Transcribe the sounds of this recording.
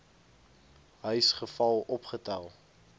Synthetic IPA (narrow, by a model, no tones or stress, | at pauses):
ɦœɥsχəfɐlˠɔpχətælˠ